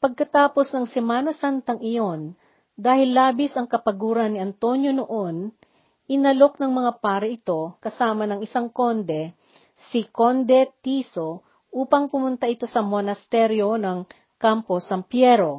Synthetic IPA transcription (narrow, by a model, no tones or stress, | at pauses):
pɐɡ̚kɐt̪aːpo̞snɐŋsɛmaːnɐsant̪ɐŋɪjo̞n | d̪aːhɪlːaːbɪsɐŋkɐpɐɡuːɾɐnːɪɐnt̪o̞njo̞noʔo̞n | ʔɪnɐlo̞k̚nɐŋmɐŋapaːɾɐʔɪt̪o̞kɐsaːmɐnɐŋɪsaŋko̞nd̪ɛ | sikond̪ɛt̪iso̞ | ʔuːpɐŋpʊmʊnt̪aʔɪt̪o̞sɐmonɐst̪ɛɾjo̞nɐŋ | kamposɐmpjɛɾo̞